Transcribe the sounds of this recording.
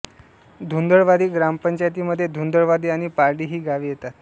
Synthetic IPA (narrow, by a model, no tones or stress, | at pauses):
d̪ʱund̪əɭʋad̪iːɡɾampəɲt͡ɕajt̪̬iːməd̪ʱːjed̪ʱund̪əɭʋad̪iːaɽ̃ipaɾɖiːɦiːɡaʋiːjet̪at̪